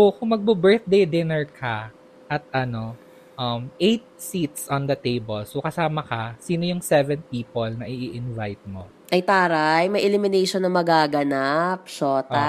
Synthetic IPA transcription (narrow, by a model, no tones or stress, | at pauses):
sokʊŋmɐɡ̚bɐbɛɹt̪̚d̪ejd̪ɪnɛɹkʰa | ʔɐt̪̚ʔɐno̞ | ʔɐmʔejt̪̚sit̪̚sɔnd̪ɐt̪ejbolsokɐsaːmɐkɐsiːnojʊŋsɛvɛnpiːpolnɐʔiʔiʔɪnvajt̪̚mo̞ | ʔɐjt̪aːɾajmɐjʔɛlɪmɪnejʃonːɐmɐɡaːɡɐnap̚ʃoːt̪a